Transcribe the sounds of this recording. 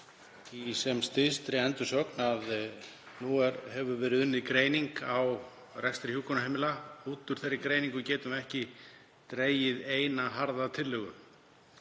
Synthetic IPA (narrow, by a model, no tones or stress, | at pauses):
isɛmst̪ɪst̪ɾɪɛnt̪ʏ̥sœknað | nuɛɾɦɛvʏvɛːɾɪðʏnːɪðkɾeːjniŋkaw | rɛkst̪ɾɪhjuːkɔnaɦejmɪlauːt̪ʏɾ̥θejɾːɪkɾeːjniŋkʏcɛːt̪ʏmɛhcɪ | t̪ɾeːjɪðeːjnaɦaɾðat̪ʰɪlːʏɣʏ̰m